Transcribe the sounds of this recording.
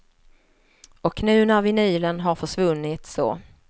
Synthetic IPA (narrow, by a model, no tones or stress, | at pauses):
ɔkʰːnʉ̟ːnaɾvɪnyːlənɦaɾfœʂvɵnːɪt̪sɔ̰